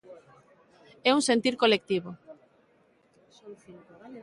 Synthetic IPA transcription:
ɛuŋsent̪iɾkolek̚t̪iβo

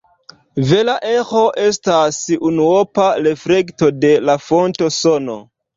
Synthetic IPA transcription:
ve̞laʔe̞xo̞ʔestasunuopaɾe̞fɾe̞kto̞de̞lafo̞nto̞sono̞̰

